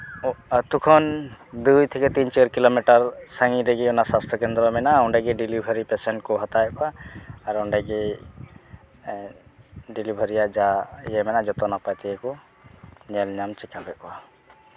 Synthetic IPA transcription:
t̪ukʰɔnd̪ujt̪ʰɛkɛt̪int͡ʃɾkilomiʈaɾsəŋiɾɛɡɛɔnasast̪ʰɔkɛnd̪ɾɔmɛnaɔɳɖaɡɛɖilibʱəɾipɛsɛɳʈkɔɦat̪ajɛʔ̚kɔaːɾɔɳɖɛɡɛ | ɖilibʱəɾijaʔd͡ʒaijɛmɛnad͡ʒɔt̪ɔnapajt̪ɛɛkɔ | ɲɛlɲamt͡ʃɛkabɛkɔa

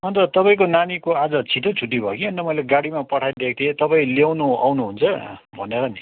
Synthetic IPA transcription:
ʌnt̪ʌt̪ʌpaĩkonanikoad͡zʌt͡sʰit̪ʰot͡sʰuʈ̬ibʱʌkiʌnt̪ʌmʌjleɡaɽimapʌʈʰajd̪ek̚ʰt̪ʰiet̪ʌpaĩlewnua̰wnuɦunt͡sʰʌbʱʌneɾʌni

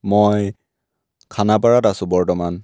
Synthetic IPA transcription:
moj | kʰanapaɹatasʊ̃bɔɹtɔman

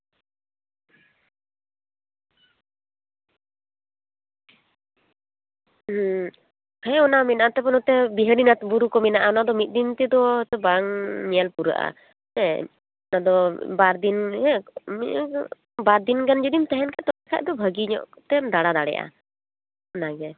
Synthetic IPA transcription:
hɛɔnamɛnaʔat̪ɛpɔnɔt̪ɛbiɦəɾinat̪buɾukɔmɛnaʔaɔnad̪ɔmit̪̚ˀd̪int̪ɛd̪ɔt̪ɛbaŋmialpuɾa̰ʔa̰ | ɛ | nad̪ɔbaɾd̪inɦɛ | baɾd̪inɡand͡ʒud̪imt̪ɛɦɛnkʰaʔt̪ɔakʰa̰ʔ̚d̪ɔbʱəɡiɲɔ̰ʔt̪ɛmd̪aɽad̪aɽɛ̰ʔa̰ | naɡɛ

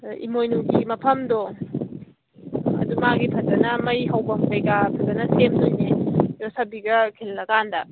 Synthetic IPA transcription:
ḭmojnuɡimɐpʰɐmdɔ | ɐ̰dumaɡipʰɐtɐnɐmɐjɦɐwbɐɦejɡapʰɐtɐnɐsemdojnijɔsabiɡɐkʰellɐɡandɐ

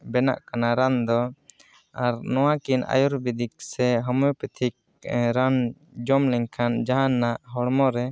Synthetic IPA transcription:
bɛna̰ʔkanaɾand̪ɔ | aɾnɔwakina̰juɾbid̪ik̚sɛɦɔmɔjpɛt̪ʰik̚ | ɾan | d͡ʒɔmlɛɲkʰand͡ʒaɦanːaʔɦɔɽmɔɾɛ

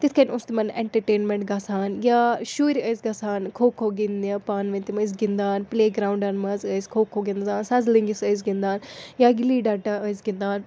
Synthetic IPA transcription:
t̪it̪ʰkɐnʲʊ̃st̪imɐnḛɳʈɐɾʈeːnmẽɳʈɡasaːnjaːʃuːɾʲəjsɡɐsaːnkʰoːkʰoːɡind̪apaːnʋɐ̃nt̪imɐs̬ɡind̪aːnpleːɡɾaːwũɳɖɐnmɐzəjskʰoːkʰoːɡind̪zãːnsɐzliŋɡisəjzɡĩnd̪aːnjaːɡiliːɖaɖaəjzɡind̪aːn

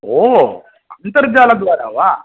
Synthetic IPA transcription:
oɦ | ɐnt̪ɐɾd͡ʒaːlɐd̪ʋaːɾa̰ːʋaː

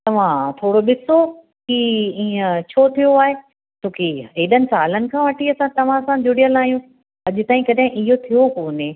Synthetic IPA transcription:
t̪ɐʋ̤ãt̪ʰoːɽoɓɪso | kiĩːə̃t͡ɕʰoːt̪ʰijoaːɦe | t̪ʰoːkeɦeːɗənɪ̆sa̰ːlənɪ̆kʰãʋɐʈʰiɐsãt̪ɐʋ̤ãsãd͡ʑʊɽijəlaːjũ | ɐʄʊt̪aːĩkɐɗɦɪ̃ʔɪɦot̪ʰijokoːnẽ

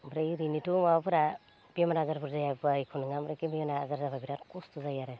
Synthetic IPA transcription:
bɾejɾinitumapɯɾa | b̥iɔmaɾazaɾpʰuɾzajajbajkʰunɯŋamɾekimbijɔnaːzaɾzababiɾatkustuzajaɾe

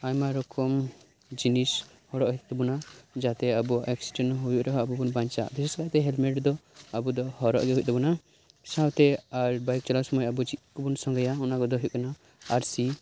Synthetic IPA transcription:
ajmaɾɔkɔm | d͡ʒinis | hɔɽɔʔhɛt̪ʰt̪ɛbunad͡ʒat̪ɛabuɛksi̥dɛnɦujuʔɾɔɦɔabubunbaɲt͡ʃa̰bisɛskat̪ɛɦɛlmɛʈd̪ɔabud̪ɔhɔɾɔʔɡɛɦujʔ̚ˀt̪ɛbuna | sawt̪ɛaɾbajk̚t͡ʃɔlasɔmɔjabud͡ʒit̪̚kɔbunsɔŋɡajaɔnaɡɔd̪ɔɦujuʔ̚kana | aɾsi

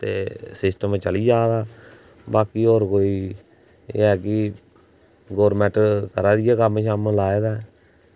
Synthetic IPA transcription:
t̪ḛːsɪsʈəmt͡ʃəliːd͡ʒaːd̪aː | baːkiːoːɾkoːiː | ɦɛːkɪ | ɡoːɾmɛʈəɾkəɾaːd̪ɪjaːkəmʃamlaːeːd̪aːɛ

